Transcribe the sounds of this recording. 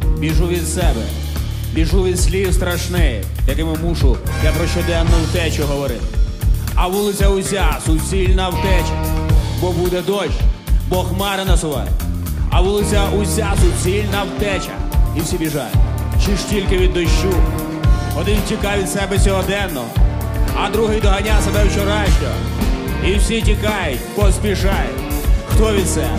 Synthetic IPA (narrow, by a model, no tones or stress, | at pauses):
bʲiʒuʋʲid̪sɛbɛ̰ | bʲiʒuʋʲid̪sʲlʲiwst̪ɾɐʃnɪjɛ | jɐkɪmɪmuʃʊd̪jʲɐpɾɔʃt͡ʃɔd̪ɛnːɔwt̪ɛt͡ʃɔɦɔʋɔɾɪt̪ɪɐʋulˠɪt͡sʲɐʊsʲasʊt͡sʲilʲnɐwt̪ɛt͡ʃɐbɔbud̪ɛd̪ɔʃbɔxmɑɾɪnɐsʊʋɑ̰jɛ̰ɐʋulˠɪt͡sʲɐʔʊsʲasʊt͡sʲilʲnɐwt̪ɛt͡ʃɐ̰iwsʲibʲiʒɑ̰jʊ̰t͡ʃɪʃtʲilʲkɪʋʲid̪ːɔʃt͡ʃu | ɔd̪ɪntʲikɑʋʲid̪sɛbɛsʲɔɦɔd̪ɛnːɔɔ | ɐd̪ɾuɦɪjd̪ɔɦɐnʲasebɛwt͡ʃɔɾɑjʃt̪ʲɔ | iwsʲitʲikɑjʊtʲpɔspʲiʃɑjʊtʲxt̪ɔʋʲid̪sɛ